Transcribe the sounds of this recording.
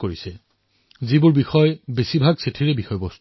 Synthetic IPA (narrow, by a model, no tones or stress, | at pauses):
koɹisɛ | zibʊɹbixɔjbesibʱaɡsetʰiɹɛbixɔjbɔst